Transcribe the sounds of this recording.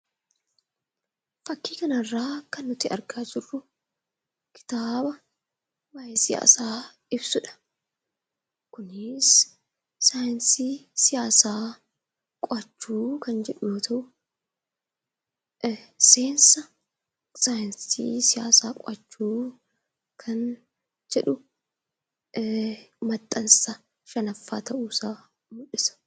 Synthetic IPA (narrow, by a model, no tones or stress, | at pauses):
fɐkːiːkɐnɐrːaːkɐnːʊt̪ɪʔɐ̰ɾkaːd͡ʒɪrːʊ | kʰɪ̥t̪aːbɐ | bɐjɛsɪja̰ːsaː | ɪbsʊᶑɐ̥ | kʊnɪs | sajɛnsiːsɪjaːsaː | kʼɔɐt͡ʃːuːkɐnd͡ʒɛᶑʊjo̞ːt̪ʰɐʔʊ | se̞ːnsɐ | saːjɪnsḭːsɪja̰ːsaːkʼɔɐt͡ʃːuː | kʰɐn | d͡ʒɛᶑʊ | mɐt̪ʼːɐnsɐ | ʃɐnɐfːaːt̪ɐʔuːsaː | mʊᶑɪsɐ̥